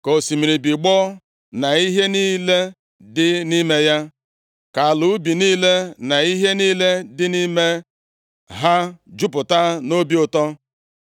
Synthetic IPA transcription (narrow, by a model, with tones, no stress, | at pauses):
ko˨si˨mi˨ɾi˨bi˨ɡ͡bɔ˦ | na˨i˦ɦe˦niː˦le˦ | dɪ˦ni˦me˦ja˦ | ka˨lu˨˦bi˨niː˦le˦na˨i˦ɦe˦niː˦le˦dɪ˦ni˦me˦ | ɦa˦d͡ʒʊ˦pʊ˨ta˦no˦bi˦ʊ˨tɔ˦